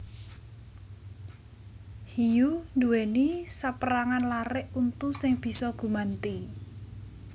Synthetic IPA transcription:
hijund̪uwɛnisapəɾaŋanlaɾɪʔunt̪usɪŋb̥i̤sɔɡ̥ṳmant̪i

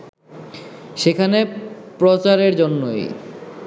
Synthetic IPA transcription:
ʃekʰanepɾot͡ɕaɾeɾd͡ʑonːoj

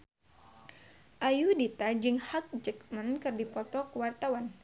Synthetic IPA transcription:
ʔajudit̪ad͡ʒɨŋhak̚d͡ʒək̚mənkɨrdipɔt̪ɔkəwart̪awan

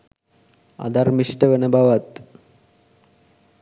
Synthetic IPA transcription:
a̰d̪aɾmiʃʈebenebawat̪

